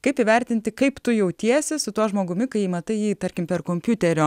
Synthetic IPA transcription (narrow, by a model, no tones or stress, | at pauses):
kɐɪpiːʋʲæɾʲt̪ʲɪnʲt̪ʲɪkɐɪpt̪ʊjɛʊt̪ʲiɛsʲɪsʊt̪uɔsʒmoːɡʊmʲɪkɐɪjiːmɐt̪ɐɪjiːt̪ɐɾʲkʲɪmpʲɛɾkoːmʲpʲjut̪ʲɛɾʲoː